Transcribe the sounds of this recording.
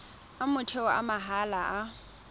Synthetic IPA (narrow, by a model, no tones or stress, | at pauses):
amʊtʰɛɔʔa̰maɦalaʔa